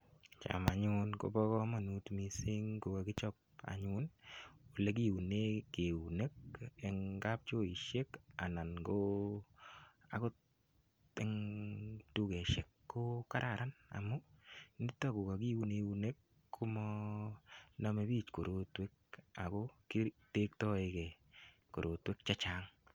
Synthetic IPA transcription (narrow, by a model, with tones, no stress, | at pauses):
t͡ʃa̰˨ma˨ɲʊnko̰˨bɔ˦kɔ˦ma˨nu˨tmi˨sɪ˦ŋko˨ka˨kɪ˦t͡ʃɔ˦k̚a̰˨ɲʊ˦no˨le˦k̬i˦u˨ne˦ke˨u˨ne˦kɛ˨ŋɡa˦p̚t͡ʃo˦i˨ʃe˦ka˨na˨nɡo | a̰˨ko˦ | ɪ˦ŋ | tu˦ɡe˨ʃe˨kːo˦ka˦ɾʔa˨ɾa˦na̰˨mʊ˦ni˦tːɔ˦ɡo˨ka˨ɡi˦wu˦ne˨wune˦kːʰ | o˦mɔ | na˦me˦bi˦t͡ʃko˨ɾo˦twe˦k̚a˨ɡo˦kite˦k̚tɔ˦ɪ˦kɛ˨ | ko˨ɾʔo˨twe˦k̚t͡ʃa˦t͡ʃa˦ŋ